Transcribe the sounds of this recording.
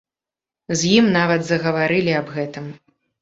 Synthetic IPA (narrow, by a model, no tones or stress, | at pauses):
zʲjimnavɐd̪zɐɣɐvaɾɨlʲiɐbɣɛt̪ɨm